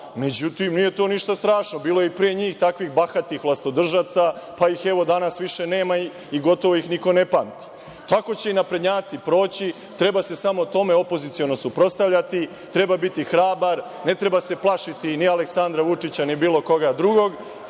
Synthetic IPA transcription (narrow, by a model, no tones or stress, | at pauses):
me̞d͡ʑut̪imnije̞t̪o̞niʃt̪ast̪ɾaːʃnobiːlojeipɾijeɲiːxt̪akʋixbaxat̪ixʋlˠast̪od̪r̩ʒat̪sapaixeʋo̞d̪anasʋiʃe̞ne̞ːma | iɡo̞t̪o̞ʋo̞ixniko̞nepamt̪i̥ | t̪ako̞t͡ɕe̞inapɾed̪ɲaːt̪sipɾo̞ːt͡ɕi | t̪ɾe̞base̞samo̞t̪o̞me̞o̞po̞zit̪sio̞no̞supɾo̞st̪aʋʎat̪i | t̪ɾe̞babit̪ixɾaːbaɾ | ne̞t̪ɾe̞base̞plˠaʃit̪inialeksand̪ɾaʋut͡ʂit͡ɕanibiːlˠo̞ko̞ɡad̪ɾuɡo̞ɡ